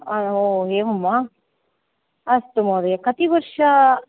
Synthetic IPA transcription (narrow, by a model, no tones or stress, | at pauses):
ɐoeːʋumːa | ɐst̪umod̪ɐekɐt̪iʋɐɾʂɐ